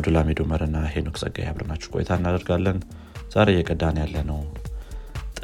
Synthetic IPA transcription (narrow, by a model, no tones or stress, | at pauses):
d̪ulamed̪oməɾɨnːahenoksʼə̰ɡa̰ja̰βɾɨnat͡ʃːɛwkʼo̰jɛ̰t̪ʰaɨnːad̪əɾɡalːən | z̥aɾejːɛkʼəd̪anjalːənəw | t̪ʼ